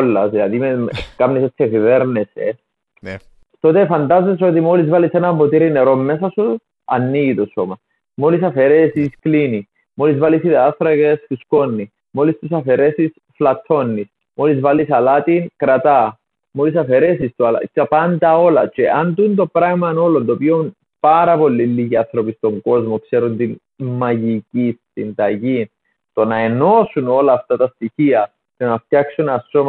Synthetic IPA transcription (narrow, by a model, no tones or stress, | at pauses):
lːɐsðilɐðimekɐmnisot̪ʰːefiveɾnesḛ | t̪o̞t̪efɐnd̪azes̬ot̪imolizvalisenɐmbo̞t̪iɾineɾomːesɐsu | ɐnːiʝit̪osomɐ | molisɐfeɾesisklini | molizvalisiðɐɐθɾɐɣesfusko̞nːi | molist̪usɐfeɾesis | flɐt̪ʰːo̞nːis | molizvɐlisɐlɐt̪inkɾɐt̪ɐ | molisɐfe̞ɾe̞sist̪uɐlɐ̰tɐpɐnd̪ɐo̞lɐt͡ʃeʔɐnd̪unt̪o̞pɾɐɣmɐno̞lo̞nt̪opion | pɐɾɐpo̞lːilːiʝiɐnθɾo̞pist̪o̞ŋɡo̞zmo̞kse̞ɾunt̪in | mɐʝicist̪ind̪ɐʝin | t̪o̞nɐe̞no̞suno̞lɐːft̪ɐt̪ɐst̪içiɐ | cenɐft̪jɐksunɐsom